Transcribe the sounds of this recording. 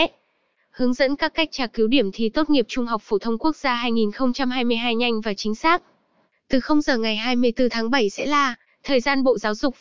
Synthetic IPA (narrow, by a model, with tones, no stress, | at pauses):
hɨ˨˦əŋzə̰˧˥nkaː˦˥kːa˦˥jk̟̚t͡ɕaː˨˧˩ki˨˦wɗi˧˩əmt̪ʰi˨˩t̪o˦˥t̚ŋi˨˩əp̚t͡ɕʊ˧ŋ͡mhɔ˨˩wk͡p̚fo˧˩t̪ʰə˧wŋ͡mku˦˥ək̚zaː˧ɦaː˧jŋi˨˩nxə˧wŋ͡mt͡ɕa˧mhaː˧jmɨ˧əjɦaː˧jɲa˧jŋ̟vaː˨˩t͡ɕï˨˦ŋ̟saː˦˥k̚ | t̪ɨ˨˩xə˧wŋ͡mzəː˨˩ŋa˨˩jɦaː˧jmɨ˧əjt̪ɨ˧t̪ʰaː˨˦ŋɓə˧˩jsɛ̰˧˥laː˨˩ | t̪ʰəː˨˩jzaː˧nɓo̰˧˨zaː˨˦wzʊ˨˩k͡p̚